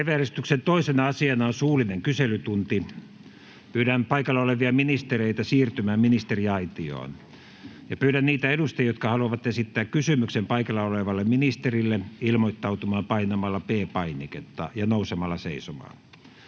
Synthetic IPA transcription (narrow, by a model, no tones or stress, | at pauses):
eʋeærest̪yksent̪oisenɑɑsiɑnɑonsuːlineŋkyselyt̪unt̪i | pyːɾænpɑikɑlːɑoleʋiɑminist̪ereit̪ɑsiːrt̪ymæːmminist̪eriɑit̪io̰ːn | jɑpyːɾænniːt̪æeɾust̪ɑjot̪kɑhɑluɑʋɑt̪esit̪ːæːkkysymyksempɑikɑlːɑoleʋɑlːemminist̪erilːeilmoit̪ːɑut̪umɑːmpɑinɑmɑlːɑpeːpɑiniket̪ːɑ̰jɑnousemɑlːɑsḛisomɑ̰ːn